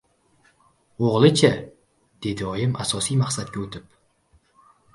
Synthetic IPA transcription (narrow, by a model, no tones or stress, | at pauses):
oʁlˠɨt͡ʃʰa | d̪̥ed̪ɪɒjɪmʔasɒsijmaχsat̪̚kʲaɵt̪ʰɪp̚